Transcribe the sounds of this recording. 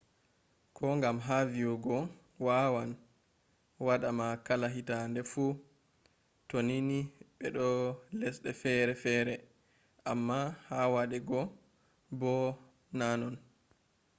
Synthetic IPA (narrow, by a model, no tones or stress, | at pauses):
kʰɔŋɡamɦavijɔɡɔ | wawan | waɗamakalaɦitandɛfu | toniniɓɛɗɔlɛsɗɛfɛɾɛfɛːɾɛ | ʔamːahawaɗɛɡɔ | bɔ | nanɔn